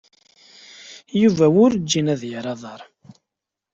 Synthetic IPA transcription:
juvæwʊɾd͡ʒːinæðjəɾˤɑðˤɑɾˤ

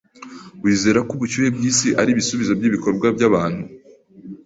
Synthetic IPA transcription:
wiːze̞ːɾakuβut͡ʃuje̞bjiːsiʔaɾiβisuβizo̞bjiβiko̞ɾɡwabjaβaːn̥hu

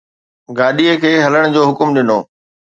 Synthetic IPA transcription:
ɡaːɗiekʰeːɦɐləɽ̃ʊd͡ʑoːɦʊkʊmɗɪnoː

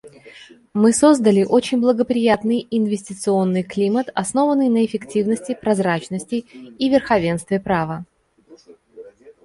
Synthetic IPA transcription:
mɨso̞zd̪əlʲɪʔot͡ɕɪnʲblˠəɡəpɾʲɪjat̪nɨjɪnvʲɪsʲtʲɪt̪sɨo̞nːɨjklʲimət̪ɐsno̞vənːɨjnəɪfʲɪktʲivnəsʲtʲɪpɾɐzɾat͡ɕnəsʲtʲɪivʲɪrxɐvʲenst̪vʲɪpɾavə

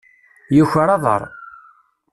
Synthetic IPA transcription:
juçəɾˤɑðˤə̰ɾˤ

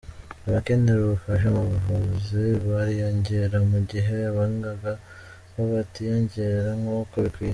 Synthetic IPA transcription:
aβakeːndeɾoβafaʃ̬amuβuvoβoziβaɾijoːɲɟeɾamuɟiɦe̞aβaŋɡaɡa | koβatijoːɲɟeeɾaŋokuβiki

